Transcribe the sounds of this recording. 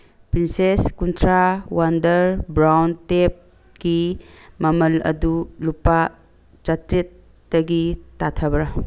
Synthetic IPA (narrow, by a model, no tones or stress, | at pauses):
pɾinseskuntʰɾawandɐɾbɾawntep̚ | ki | mɐmɐlɐ̰dulupa | t͡ʃɐtɾit̚ː | ɐɡitatʰɐbɐɾɐ